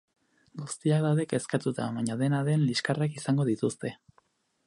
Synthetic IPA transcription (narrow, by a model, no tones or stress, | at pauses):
ɡust̪iak̚d̪awðe̞ke̞skat̪ut̪a̰βaɲaðe̞naðe̞nliskarakisaŋɡo̞ð̞it̪ust̪e̞